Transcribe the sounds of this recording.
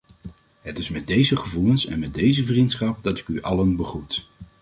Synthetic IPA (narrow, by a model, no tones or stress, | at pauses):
ɦətɪsmɛd̚dejzəχəvulənsɛ̰nmɛt̚dejzəvrintsχɑp̚dɑtɪ̥kyʔɑlənbəχrut